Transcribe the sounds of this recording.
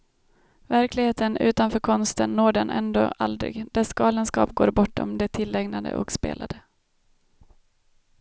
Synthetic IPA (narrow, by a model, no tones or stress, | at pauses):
væɾklɪɡheːt̪ənʉ̟ːt̪anfœːɾkʰɔnst̪ənːoːɖɛnʔɛ̰nd̪oːʔald̪ɾɪ̰ɡd̪̥ɛsɡɑːlənskɑ̰ːpɡo̰ːɾbɔʈːɔ̰md̪ɛt̪ʰɪlːɛɡnad̪ə̰ʔɔ̰kspḛːlad̪ə